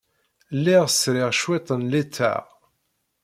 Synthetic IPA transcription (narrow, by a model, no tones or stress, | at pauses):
lːiʁsɾɪʁʃwet̪ˤənlit͡sːæ̰ʁ